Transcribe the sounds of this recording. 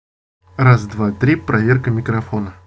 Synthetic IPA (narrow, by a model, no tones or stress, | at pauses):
razd̪vat̪ɾʲipɾʔɐvʲerkəmʲɪkɾɐfo̞nə